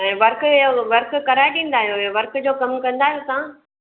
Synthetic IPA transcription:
ɛ̃ːʋɐɾkoʋɐɾkkɐɾaːɪɗĩːnd̪aːɦijoʋɐɾkd͡ʑoːkɐmkɐ̃nd̪aːɦijosãː

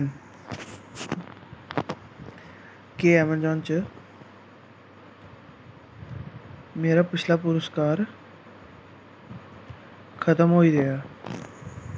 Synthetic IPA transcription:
keːɛːmənd͡ʒɔ̃ːnt͡ʃə | meːɾaːpɪt͡ʃʰlaːpʊɾəskaːɾ | kʰət̪əmɦoːid̪ejaː

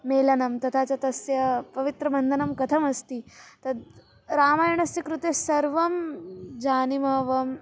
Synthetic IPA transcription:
meːlɐnɐmt̪ɐt̪ʰaːt͡ɕat̪ɐsjɐpɐʋit̪ɾɐbʱɐnd̪ʱɐnɐmkɐt̪ʰɐmɐst̪iːt̪ɐd̪ | ɾaːmaːjɳɐsjɐkɾut̪esɐɾʋɐmd͡ʑaːnimɐʋɐm

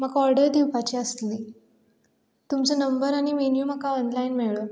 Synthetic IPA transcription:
məɡɔɾɽəɾd̪iwpat͡ɕiːəst̪liː | t̪umt͡sənəmbəɾaɽ̃iʋenjuməkaɔnlainmeɭo

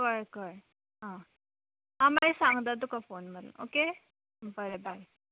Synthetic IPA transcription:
kəɾkəɾ | ɦã | ãmaisãŋɡd̪ad̪ukʰafonməɾṵmo̰ke | bəɾebʱaj

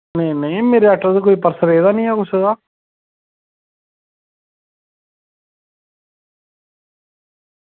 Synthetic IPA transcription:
nə̃nəĩmeːɾeɛːʈəɾd̪ek̬oːiːpəɾsəɾeːd̪aːnĩːɛːkʊsed̪aː

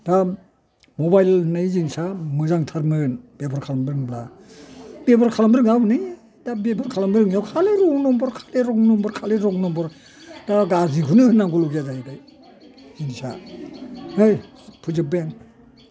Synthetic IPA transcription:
da | mobajlnɯjzinsamɯzaŋtʰaɾmɯnb̥ebʰɔɾkʰalambɾɯŋbla | bebʰɔɾkʰalambɾɯŋabnɯj | dabebʰɔɾkʰalambɾɯŋjɔwkʰaleɾɔŋnɔmbɔɾkʰḁleɾɔŋnɔmbɔɾkʰaleɾɔŋnɔmbɔɾ | daɡazikʰunɯhɯnːaŋɡuluɡazadaj | zinsa̰ | ɯj | pʰuzɯbaŋ

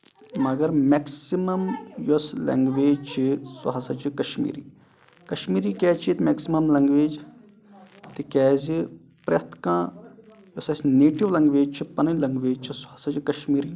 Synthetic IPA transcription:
mɐɡɐɾmeksimɐmjoslɐ̰ŋɡʋeːd͡ʒt͡ʃʰisɐ̰ɦɐsɐt͡ʃʰikɐʃmḭːɾḭː | kɐʃmiːɾiːkʲɛːt͡ʃʰit̪meːksimɐmlɐŋɡʋeːd͡ʒ | t̪ɨkɛːzi | pɾɐ̰t̪ʰkãː | josɐsneːʈiʋlɐŋɡʋeːd͡ʒt͡ʃʰipɐnɐnlɐŋɡʋeːd͡ʒt͡ʃʰisɐɐsɐt͡ʃikɐʃmiːɾiː

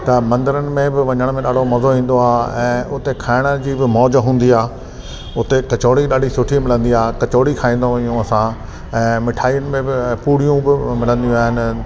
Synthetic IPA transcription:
t̪ɐmɐ̃nd̪əɾənɪ̆mẽbɪʋɐ̃ɲəɽ̃mẽɗaːɖ̤ʱomɐzoɦĩːn̆d̪oaːɛ̃ːʊt̪ekʰaːɪɽ̃ə̆d͡ʑiːbɪmɔːd͡ʑɦũːn̆d̪iaː | ʊt̪ekɐt͡ɕoːɽiɗaːɖ̤ʱisʊʈʰimɪlə̃nd̪iaːkɐt͡ɕoːɽikʰaːĩːn̆d̪ojũɐsã | ɛ̃ːmɪʈʰaːiːənɪ̆mẽbɪpuːɽ̤ijũbɪmɪlə̃nd̪ijũaːɦɪnɪ̆

